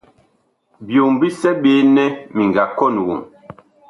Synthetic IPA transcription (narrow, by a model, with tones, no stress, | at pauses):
bjo˨m˨bi˦sɛ˦ɓe˨˦nɛ˦mi˨ŋɡa˨kɔ˦˨nwo̰˨ŋ